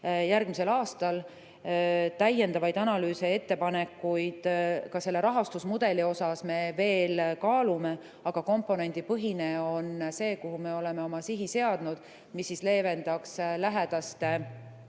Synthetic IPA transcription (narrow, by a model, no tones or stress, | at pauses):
jæɾrɡ̥mise̞lɑːst̪ɑl | t̪æjːe̞nd̪̥ɑvɑjd̪ɑnɑlyːsee̞t̪ːe̞pɑne̞kːujd̪̥kɑse̞lːe̞ɾɑɦɑst̪usmud̪̥e̞lio̞sɑsme̞ve̞ːlkɑːlume̞ | ɑɡ̥ɑko̞mpːˑo̞ne̞nʲd̪̥ipɤɦine̞o̞nse̞ːkuɦume̞o̞le̞me̞o̞mɑsiɦise̞ɑd̪̥nud̪̥ | misːisle̞ːve̞nd̪̥ɑkslæɦed̪̥ɑst̪e